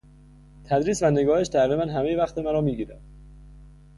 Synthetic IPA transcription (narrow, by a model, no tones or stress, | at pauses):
t̪ʰæd̪ɾiːsvæne̞ɡɒːhe̞ʃd̪ʰæɾimænɦæmejevæxt̪ʰemæɾɒːmiːɡiːɾæd̪̥